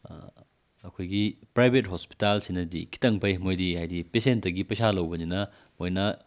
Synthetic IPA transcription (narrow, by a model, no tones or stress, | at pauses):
ɐkʰojɡipɾajbʱet̚ɦospi̥talsinɐdikʰi̥tɐŋpʰɐjmojdihajdipesentːɐɡipɐsalɐwbɐninɐ | mojnɐ